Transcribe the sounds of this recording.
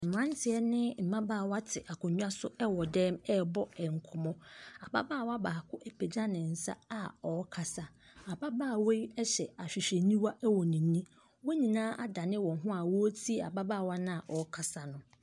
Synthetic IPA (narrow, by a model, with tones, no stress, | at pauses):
m̩˨mã˦n˦tʰɪ˨ɛ˦nɪ̃˦m̩˨mã˦baː˦˨wa˦tʰɪ˨ʔa˨kʰʊ̃˨ɲᶣ˦a˦sʊ˦ɛ˦wɔ˨dɛ̃ː˦mɛ˦bɔ˦ɛ˨ŋ̩˨kʰʊ˨mɔ̃˦a̰˨ba̰˦baː˦˨wa˦baː˨kʰʊ˦ʔe˦pʰe˨d͡ʑa˦nɪ̃˨n̩˨sa̰˦a˨ɔ˨˦kʰa˨sa˨ | a˨ba˦baː˦˨we˦ɛ˦ɕɛ˨a˨ɕᶣi˨ɕe˨nĩ˦wa˦ʔɛ˦wɔ˨nĩ˨˦nĩ˦ | wɔ˦ɲĩ˨nãː˦ʔa̰˦da˨nɪ̃˦wɔ̃˨ɦʊ̃˦a˨wɔ˦tʰi˦˨a˨ba˦baː˦˨wa˦nã˦a˨ʔɔ˨˦kʰa˨sa˨nʊ̃˦